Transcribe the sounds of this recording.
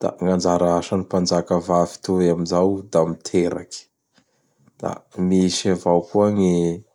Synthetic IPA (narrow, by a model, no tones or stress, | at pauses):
d̪̥a̰ŋand͡ʒaɾaaʃanipand͡ʒakəvavi̥t̪uamizawd̪amit̪ʰeɾa̰kʲi̥ | d̪̥a̰misavawkuaŋe